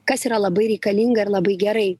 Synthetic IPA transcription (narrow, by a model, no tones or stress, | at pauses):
kɐsiɾɐlˠɐbɐɪɾʲɛɪkɐlʲiŋɡɐɪɾlˠɐbɐɪɡʲɛɾɐɪ